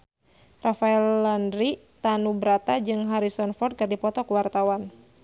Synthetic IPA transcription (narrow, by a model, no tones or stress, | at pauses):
rafaɛlːandɾit̪anubəɾat̪ad͡ʒɨŋɦaɾisɔnfɔrt̪̚kɨrdipɔt̪ɔkəwart̪awan